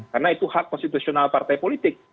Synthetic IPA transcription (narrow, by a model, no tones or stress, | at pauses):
karnait̪uhakːɔnst̪it̪usionalpart̪ajpolit̪ɪk̚